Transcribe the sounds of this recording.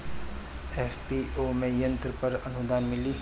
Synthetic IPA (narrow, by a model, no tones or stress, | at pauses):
eːfpiomẽjə̃nt̪ɾəpɐɾɐnʊd̪aːnmɪliː